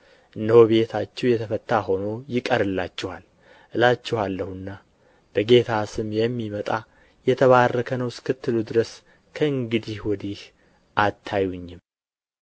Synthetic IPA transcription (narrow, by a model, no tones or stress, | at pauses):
ʔɨnd̪əhoβe̞t̪ʰat͡ʃːɛwjɛt̪ʰəfət̪ːaɦo̞no̞jɪkʼəɾɨlːat͡ʃːɛhal | ʔɨlat͡ʃːɛhalːəhɨnːa | b̥əɡe̞t̪ʰasɨmjɛmːimət̪ʼa | jɛt̪ʰəβarːəkʰənəwskʰɨt̪ːɨlud̪ɨɾəs | kʰəɨŋɡɨd̪ihwɔd̪ih | ʔat̪ʰːajuɲːɪm